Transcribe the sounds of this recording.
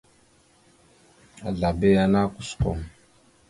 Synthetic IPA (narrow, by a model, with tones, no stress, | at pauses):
a˨ɮa˨be˦a˨na˦ku̥˨skɔ̰˨m